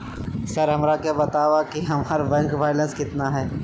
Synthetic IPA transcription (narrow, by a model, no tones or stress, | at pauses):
sɐɾɦɐmɾakebɐt̪aːʋakiɦɐmːɾbɛ̃ŋkʋaːjlə̃nskɪt̪naɦɛː